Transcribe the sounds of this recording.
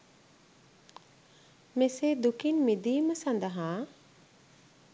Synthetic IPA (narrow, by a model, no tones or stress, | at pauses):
meseːd̪ukinmid̪iːməsɐnd̪əɦaː